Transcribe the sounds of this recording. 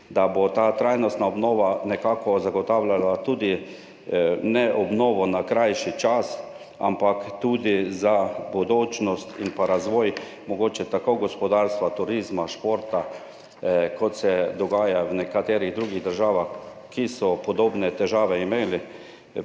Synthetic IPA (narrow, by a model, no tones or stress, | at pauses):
d̪abot̪aːt̪ɾajnɔst̪naɔbnɔːʋanɛkaːkɔzaɡɔt̪aːwlʲalat̪uːd̪i | nɛʔɔbnɔːʋɔnakɾajʃit͡ʃas | a̰mpakt̪uːd̪izabud̪oːt͡ʃnɔst̪inpaɾazʋɔːj | mɔɡoːt͡ʃɛt̪akoɡɔspɔd̪aɾst̪ʋat̪uɾizmaʃpoɾt̪a | kɔt̪sɛd̪ɔɡaːjawnɛkat̪eːɾiɣd̪ɾuːɡiɣd̪əɾʒaːʋax | kisɔpɔd̪oːbnɛt̪ɛʒaːʋɛimeːli